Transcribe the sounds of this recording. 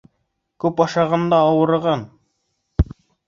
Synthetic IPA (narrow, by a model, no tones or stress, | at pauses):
kʉpɑʃɑʁɑnd̪ɑːwɤ̆ɾʁɑn